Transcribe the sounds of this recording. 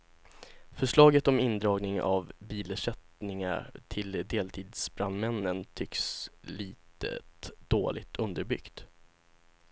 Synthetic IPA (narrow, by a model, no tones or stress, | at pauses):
fœʂɭɑːɡət̪ɔmɪnd̪ɾɑːɡnɪŋa̰vbiːləʂɛt̪nɪŋa̰ʈʰɪld̪eːlt̪ʰiːd̪sbɾanmɛnːənt̪ʰʏksliːt̪ə̰d̪̥oːlʔɪ̰t̪ʰɵnd̪əɾbʏɡ̥t̪